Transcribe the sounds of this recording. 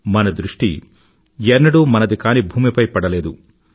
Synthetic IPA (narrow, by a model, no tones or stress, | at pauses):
mɐnɐd̪ɾuʂʈḭ | jɛnːɐɽumɐnɐd̪ikaːnibʱuːmipɐjpɐɽɐleːd̪u